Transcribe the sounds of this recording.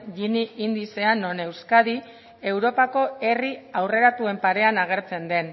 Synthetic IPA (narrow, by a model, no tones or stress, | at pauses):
ʝiniind̪ise̞anːo̞ne̞wskaði | e̞wɾo̞pako̞e̞riawre̞ɾat̪ue̞mpaɾe̞anaɣ̞e̞ɾt͡se̞nd̪e̞n